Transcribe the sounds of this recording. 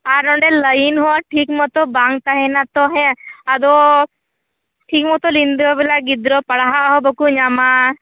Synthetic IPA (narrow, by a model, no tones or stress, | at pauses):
aɾnɔɳɖeləinɦɔaʈʰikmɔt̪ɔbaŋt̪aɦɛnat̪ɔɦɛ̃ad̪ɔ | ʈʰikmɔt̪ɔlind̪ɾɔbilaɡid̪ɾɔpəɽaɦaʔɦɔbɔkuɲama